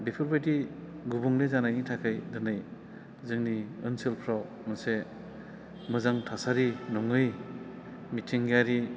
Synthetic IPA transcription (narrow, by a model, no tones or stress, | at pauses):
bipʰɯɾbajti | ɡubuŋlezanajnitʰakʰɯjdɯnaj | zɯŋniɯnsilpʰɾaw | mɯse | mɯzaŋtʰasaɾinɔŋɯj | mitʰiŋɡaɾi